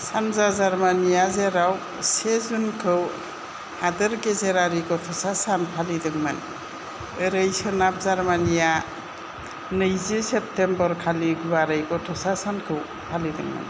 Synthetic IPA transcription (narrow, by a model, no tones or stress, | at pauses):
sanzazaɾmanijazeɾaw | sezunkʰɯw | hadɯɾkezeɾaɾiɡɔtʰɔsasanpʰalidɯŋmɯ̰n | ɯɾɯjsɯnap̚zaɾmanija | nɯjzisep̚tembəɾkʰaliɡuβaɾɯjɡɔtʰɔsasankʰɯw | pʰalidɯ̰ŋma̰n